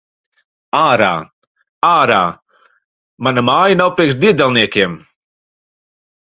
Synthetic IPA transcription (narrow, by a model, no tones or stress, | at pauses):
aːɾa̰ː | aːɾa̰ː | manamaːjanawpɾiɛksd̪ʲiɛd̪ɛlˠniɛkʲiɛm